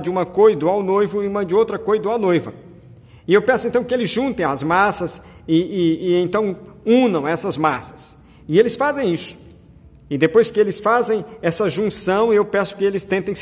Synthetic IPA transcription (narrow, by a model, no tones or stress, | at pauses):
d͡ʒɪũmɐkojd̪ʊawnojvʊiũmɐd͡ʒɪowt̪ɾɐkojd̪ʊawnojvɐ̰ | ɪewpɛsʊẽnt̪ɐ̃w̃kɪelɪzʒũnt̪ẽj̃ɐzmasɐz | ɪɪːẽnt̪ɐ̃w̃ũnɐ̃w̃ɛsɐzmasɐ̥s | ɪelɪsfazẽj̃isʊ̥ | ɪd̪epojskɪelɪsfazẽj̃ɛsɐʒũsɐ̃w̃ewpɛsʊ̥kɪelɪst̪ẽnt̪ẽj̃